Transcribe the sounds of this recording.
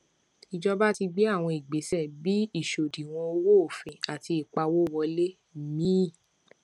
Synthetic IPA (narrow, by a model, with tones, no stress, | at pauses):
i˧d͡ʒɔ˦ba˦ti˧ɡ͡bi˦a˦˨w̃ɔ̃˧i˨ɡ͡be˨˦sɛ˦˨bi˨˦i˦˨ʃo˨dĩ˨w̃ɔ̃˧o˧wo˦o˨fẽ˧˨a˨ti˧i˨k͡pa˧wo˦˨wɔ˧le˦˨ | mĩ˦˨